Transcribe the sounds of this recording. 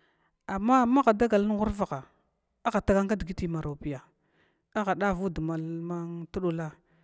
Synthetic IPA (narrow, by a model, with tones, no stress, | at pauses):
a˨mːa˦ma˦ɣa˨da˦ɡa˨ln˦ɣu˦ɾva˨ɣa˨ | a˦ɣa˨ta˦ɡa˦ŋka˦dɡi˦ti˨ma˨ɾo˨pi˨ja˨ | a˦ɣa˨ɗa˦vu˦du˨ma˨lma˦ŋtu˦ɗu˨la˦